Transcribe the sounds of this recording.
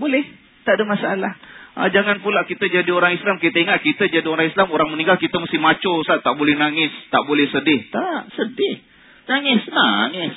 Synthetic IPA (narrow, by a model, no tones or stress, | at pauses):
bolɛh | t̪aʔdamasaalahʔə̰d͡ʒaŋanpulaʔkit̪əd͡ʒadioɾaŋislamkit̪əiŋat̪̚kit̪əd͡ʒadioɾaŋislamoɾaŋmənĩŋɡalkit̪əmast̪ɪmat͡ʃosat̪aʔbolɛhnaŋɪst̪aʔbolɛhsədɪht̪aʔsədɪh | naŋɪsnaŋɪs